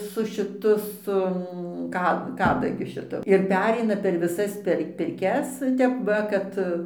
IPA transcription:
sʊ ʃʲɪˈtʊ ˈsʊ ˈkɐ ˈkɑːdɐɡʲʊ ʃʲɪˈtʊ ɪr ˈpʲæːrʲɛɪnɐ pʲɛr ʋʲɪˈsɐs pʲɛr pʲɪrʲˈkʲɛs ˈtʲɛp ʋɐ ˈkɐt

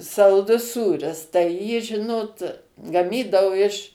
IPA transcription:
sɐlˠˈdʊs ˈsuːrʲɪs tɐɪ ˈjiː ˈʒʲɪnoːt ɡɐˈmʲiːdɐʊ ɪʃ

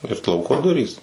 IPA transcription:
ɪr ˈlˠɐʊkoː ˈdʊrʲiːs

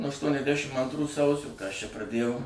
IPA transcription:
nuɔ ɐʃtuɔnʲɛzʲˈdʲæʃʲɪm ɐntˈruː ˈsɐʊsʲoː kɐ ɐʃ t͡ʃʲɛ prɐˈdʲeːjɛʊ

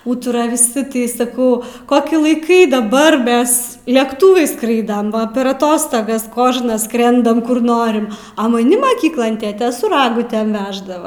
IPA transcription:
ˈuːtʊrɐ ʋʲɪˈsʲɪ ˈtɐɪ sɐˈkɐʊ ˈkoːkʲɪ lˠɐɪˈkɐɪ dɐˈbɐr ˈmʲɛs lʲɛkˈtuːʋɐɪs ˈskrɐɪdɐm ʋɐ pʲɛr ɐˈtoːstoːɡɐs ˈkoːʒnɐs ˈskrʲɛndɐm kʊr ˈnoːrʲɪm ɐ mɐˈnʲɪ mɐˈkʲiːklˠoːn ˈtʲeːtʲeː sʊ ˈrɑːɡʊtʲɛm ˈʋʲæːʒdɐʋɐ

